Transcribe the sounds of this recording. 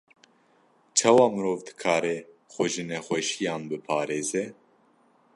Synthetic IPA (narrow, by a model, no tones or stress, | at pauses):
t͡ʃʰɑːwɑːmɨɾoːvd̪ɨ̥kʰɑːɾɛ | xʷɛʒɨnɛxʷɛʃijɑːnbɨpʰɑːɾeːzɛ